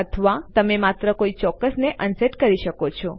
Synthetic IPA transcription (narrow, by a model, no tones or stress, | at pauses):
ət̪ʰəʋat̪əmemat̪ɾəkoit͡ʃɔkːəsneʔənseʈkəɾiʃəkot͡ʃʰɔ